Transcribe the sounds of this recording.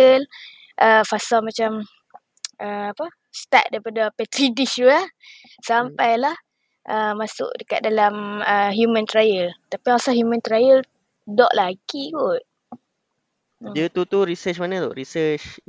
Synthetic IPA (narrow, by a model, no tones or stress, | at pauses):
əl | ʔəfasalmat͡ʃam | ʔəapa | st̪a̰ʔ̪̚daipadapɛt̪ɾidiʃua | sampajlah | ʔəmasʊ̰ʔdəka̰t̪̚dalaməɦjumə̃nt̪ɾajəlt̪apiasaɦjumə̃nt̪ɾajəl | dɔ̰ʔlaɡikut̪̚ | dət̪ut̪uɾisət͡ʃmanədɔ̰ʔɾisət͡ʃ